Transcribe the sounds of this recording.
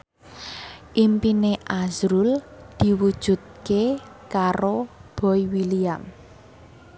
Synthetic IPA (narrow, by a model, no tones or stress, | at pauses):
ʔimpineʔazɾuld̪̥i̤wud̥ʒ̥ṳt̪̚ke | kaɾob̥ɔ̤iwiliam